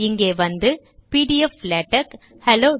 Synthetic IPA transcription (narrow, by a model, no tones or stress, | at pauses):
ɪŋɡeːʋɐnd̪ɯ | piːʈiɛfːleːʈːɐk | hɛloː